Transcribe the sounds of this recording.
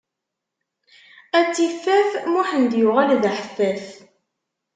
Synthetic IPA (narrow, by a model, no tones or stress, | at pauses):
æt͡sːiθːæθmʊħənd̪jʊʁælðħəfːæθ